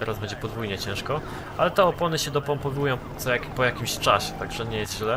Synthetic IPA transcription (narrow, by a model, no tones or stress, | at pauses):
t̪ɛɾazbɛɲd͡ʑɛpɔd̪vujɲɛt͡ɕɛ̃w̃ʂkɔ | ʔalɛt̪ɛɔpɔnɘɕɛd̪ɔpɔmpɔvujɔ̃w̃t̪sɔjakʲpɔjakʲimɕt͡ʂaɕɛ̥t̪aɡʐɛɲɛjɛst̪ʑlɛ